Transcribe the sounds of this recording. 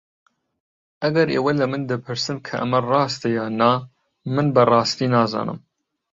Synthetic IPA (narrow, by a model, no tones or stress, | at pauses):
ʔɐɡɐɾḛːwɐlɐmɨnd̪ɨpʰɨɾsɨmkʰɐʔɐ̰mɐrˤɑːst̪ɐjɑːnɑː | mɨnbɐrɑːst̪iːnɑːzɑ̰ːnɨ̰m